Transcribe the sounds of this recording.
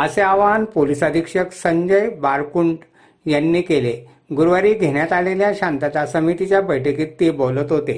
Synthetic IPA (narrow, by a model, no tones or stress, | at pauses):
əseaʋanpolisad̪ʱikʂəksəɲd͡ʑəjbaɾkuɳɖ | janːiːkele | ɡuɾʋaɾiːd̪ʱeɳjat̪aleljaɕãnt̪at͡sasəmit̪it͡ɕjabəjʈəkiːt̪ːebolət̪ɦot̪e